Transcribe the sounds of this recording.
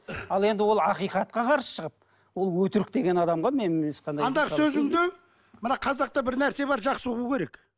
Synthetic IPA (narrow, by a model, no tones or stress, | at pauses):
ɑlˠe̞nd̪ɪwo̞lˠɑqijqɑt̪̚qɑqʰɑɾsə̥ʃəʁəp̚ | wo̞lˠwɵt̪ɪɾɪk̚d̪e̞ɡʲenɑd̪ɑmʁɑme̞nɪsqɑnd̪ɑɑnd̪ɑʁəsɵzɪŋd̪e | mənɑqʰɑzɑq̚t̪ɑbɪɾnæɾse̞βɑɾʒɑqsəʁukʲʰe̞ɾe̞k